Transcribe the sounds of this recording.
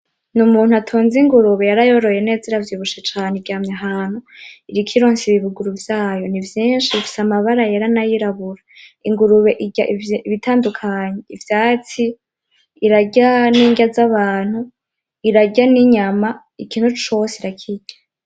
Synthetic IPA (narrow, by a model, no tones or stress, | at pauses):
numuːn̥uatʰoːnziŋɡuɾuβejaɾajo̞ɾo̞je̞ne̞ːziɾavjuβuʃet͡ʃaːneɡaːmɲeaɦaːn̥huiɾikʰiɾoːɲsiβiβuɡuɾuvjaːjo̞nivjiːnʃiβifi̥samaβaɾajeɾanajiɾaβuɾaiŋɡuɾuβeʔiɟaiiβitʰaːndukʰaɲeivjaːt͡siː | ɾaɟaniːɲɡazaβaːn̥hu | iɾaɟaniɲama | ikiːn̥hut͡ʃo̞seiɾakʰiɟḁ